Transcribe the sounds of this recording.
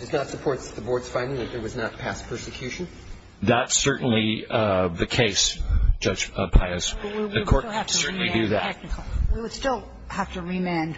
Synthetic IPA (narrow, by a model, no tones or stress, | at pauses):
d̥ʌznətsəpʰɔɹtðəbɔɹdz̥fãɪ̃ndɪ̃ŋðɨt̪̚ðə˞wʌznət̚pʰæspʰɜ˞sɨkʰj̥ʉʃɨ̃n̩ | ðætsɜ˞ʔn̩liðɨkʰeɪsd̥ʒ̥ʌd̥ʒ̥pʰaɪɨsɨkʰɔɹsɜ˞ʔn̩lidɨðætɛk̚nkwiwəd̥stɪlˠ | hæftɨɹimẽn